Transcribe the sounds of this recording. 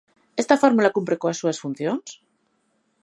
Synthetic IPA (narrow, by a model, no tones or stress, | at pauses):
e̞st̪afoɾmulakumpɾekoasːuasfun̟θjons